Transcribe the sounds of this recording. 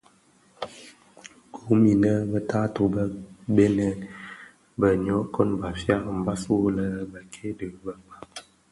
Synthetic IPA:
ku˨˦mi˨nə˦bə˦ta˦to˨bə˦be˦nɛ˦n | bə˨ɲ˨ɔ˨˦kɔ˦nba˨fja˦ʔm̩˨ba˦swo˦lə˦bə˨kʰe˦də˨˦bə˨ba˨˦

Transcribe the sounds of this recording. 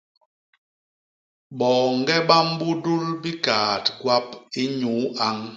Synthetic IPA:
ɓɔː˨ŋ̩˦ɡɛ˦ɓa˦m̩˦bu˦du˦lbi˦kaː˨tɡwa˦p̚i˦ɲu˨˦a˦ŋ

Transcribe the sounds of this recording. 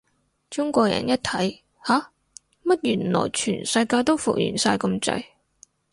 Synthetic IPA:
t͡sʊ˥ŋkʷɔː˧jɐ̰˨˩njɐ˥t̚t̪ʰɐ˨˥j | haː˨˥ | mɐ˥t̚jyː˨˩nlɔ̰ː˨˩jt͡ʃʰyː˨˩nsɐ˧jkaː˧jt̪o˥wfṵ˨k̚jy̰ː˨˩nsaː˧jkɐ˧mt͡sɐ̰˧j

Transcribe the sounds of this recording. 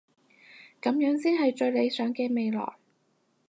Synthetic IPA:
kɐ˨˥mjœː˨˥ŋsiː˥nhɐ˨jt͡ʃɵ˧ɥle˨˧jsœː˨˥ŋkeː˧me˨jlɔ̰ː˨˩j

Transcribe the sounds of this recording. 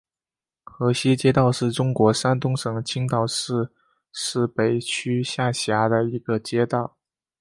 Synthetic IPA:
xɤ˧˥ɕi˥t͡ɕjɛ˥t̪ɑ˥˧ʊʂɻ̩˥˩ʈ͡ʂʊ˥ŋkwɔ˧˥ʂa˥nt̪ʊ˥ŋʂɤ˨˩ŋt͡ɕʰi˥ŋt̪ɑ˥˩ʊʂɻ̩˥˧ | ʂɻ̩˥˩pe˨˩ɪt͡ɕʰy˥ɕja˥˩ɕja˧˥d̪ə˧i˧˥ɡə˧t͡ɕjɛ˥t̪ɑ˥˩ʊ

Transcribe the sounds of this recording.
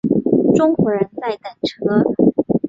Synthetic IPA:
ʈ͡ʂʊ˥ŋxwɔ˧˥ɻə˧˥nt͡sa˥˩ɪt̪a˨˩nʈ͡ʂʰɤ˧˥

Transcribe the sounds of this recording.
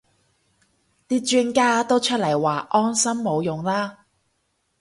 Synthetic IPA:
t̪iː˥t͡ʃyː˥nkaː˥t̪o˥wt͡ʃʰɵ˥t̚lɐ˨˩jwaː˨ʔɔː˥nsɐ˥mːo˨˧wjʊ˨ŋlaː˥

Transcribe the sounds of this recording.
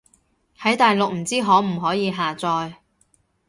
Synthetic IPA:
hɐ˨˥jt̪aː˨jlʊ˨k̚m̩˨˩t͡siː˥ɦɔː˨˥m̩˨˩ɦɔː˨˥jiː˨˧ɦaː˨t͡sɔː˧j

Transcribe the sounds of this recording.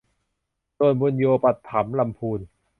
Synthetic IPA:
t̪oː˧˩nbu˧njoː˧pa˨˩t̪ʰːa˩˦mla˧mpʰuː˧n

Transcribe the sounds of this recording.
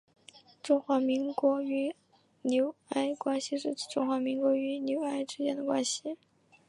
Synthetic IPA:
ʈ͡ʂʊ˥ŋxwa˧˥mi˧˥ŋkwɔ˧˥y˧˥ | njo˧˥ʊa˥ɪkwa˥nɕi˨˧ʂɻ̩˥˩˥ʈ͡ʂʊ˥ŋxwa˧˥mi˧˥ŋkwɔ˧˥y˧˥njo˧˥ʊa˥ɪʈ͡ʂɻ̩˥t͡ɕjɛ˥˩nd̪ə˩kwa˥nɕi˨˩

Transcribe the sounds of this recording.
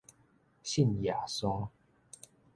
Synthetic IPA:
ɕi˥˨nja˨˩sɔ˥ŋ

